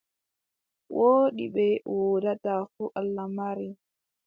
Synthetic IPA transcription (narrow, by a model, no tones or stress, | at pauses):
wʔoːɗiɓɛwodatafuʔalːamaɾi